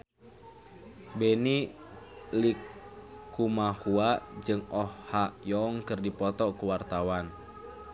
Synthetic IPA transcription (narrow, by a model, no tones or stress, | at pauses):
beni | likː | umahuad͡ʒɨŋɔhːajɔŋkɨrdipɔt̪ɔkuwart̪awan